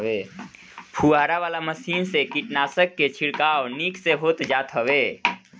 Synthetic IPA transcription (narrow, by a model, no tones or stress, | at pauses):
eː | pʰuaːɾaʋaːlaməsiːnsekiʈnaːsəkːet͡ʃʰiɽkaːwnikseɦoːt̪d͡ʒaːt̪ɦəʋeː